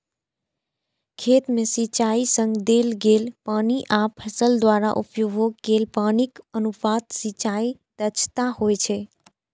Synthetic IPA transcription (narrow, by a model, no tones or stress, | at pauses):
kʰet̪mesit͡ʃaisə̃ŋɡd̪elɡelpaniʔapʰːəsəld̪waɾaʔṵpjuɡʱoɡɡelpanikənupad̪sit͡ʃait̪ət͡ʃʰt̪ahojt͡ʃʰɛ